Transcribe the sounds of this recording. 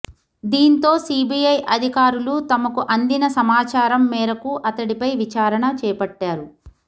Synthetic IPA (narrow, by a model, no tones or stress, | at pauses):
d̪iːnt̪o̞ːsiːbijɐjʔɐd̪ʱikaːɾulut̪ɐmɐkuʔɐnd̪inɐsɐmaːt͡ʃaːɾɐmːɛːɾɐkuʔɐt̪ɐɽipɐjʋit͡ʃaːɾɐɳɐt͡ʃɛːjpɐʈːaːɾu